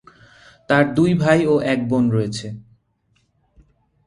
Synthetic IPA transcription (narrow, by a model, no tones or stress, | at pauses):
t̪aɾd̪ujbʱajoʔɛk̚bonɾɔet͡ɕʰe